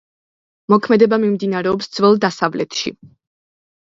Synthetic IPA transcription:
mɔkʰmɛd̪ɛbamimd̪inaɾɛɔpsd̪z̥vɛlˠd̪asavlɛ̰t̪ʰʃḭ

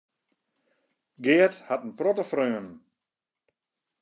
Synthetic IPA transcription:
ɡɪəthatənprɔtəfrøən

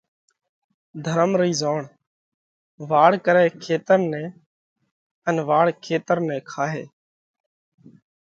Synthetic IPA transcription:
d̪ʱəɾəmɾiːzoːɳ | ʋaːɽkəɾɛːkʰeːt̪əɾnɛ̃ː | ənʋaːɽkʰeːt̪əɾnɛ̃ːkʰaːɦeː

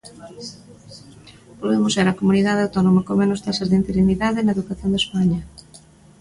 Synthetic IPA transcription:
poðemoseɾɐkomuniðað̞eawt̪onomakoŋmenʊst̪asɐzðeint̪eɾiniðaðenaeðukaθjond̪espaɲɐ

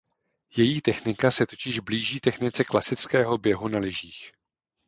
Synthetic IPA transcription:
jɛjiːt̪ɛxnɪkasɛt̪o̞cɪʒbliːʒiːt̪ɛxnɪt͡sɛklasɪt͡skɛːɦo̞bjɛɦunalɪʒiːx

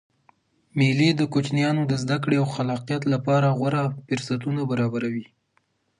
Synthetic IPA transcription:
miled̪əkot͡ʃnjɑnod̪əzd̪ak̬ɽeawxalɑqijat̪lapɑɾaɣwaɾafɪɾsat̪unabaɾɑbaɾawi

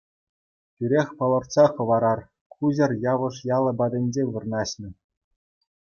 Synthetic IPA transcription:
tʲyɾʲexʲpɤlˠɤ̆rt̪sɑχɤ̆ʋɑɾɑr | kʰuʑɤ̆rjɑʋɤ̆ʂjɑlˠɤ̆bɑdʲɘ̆nʲd͡ʑeʋɯ̆rnɑɕnʲɘ̆

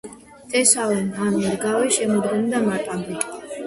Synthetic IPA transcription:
t̪ʼɛsaɔnanɛɾɡawɛʃɛmɔd̪ɡɔmd̪amat̪ʼambi

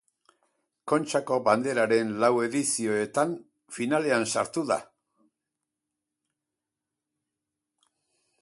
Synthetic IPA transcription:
ko̞nt͡ʃako̞band̪e̞ɾaɾe̞nlawe̞ðisio̞e̞t̪an | finale̞ansaɾt̪uða̰

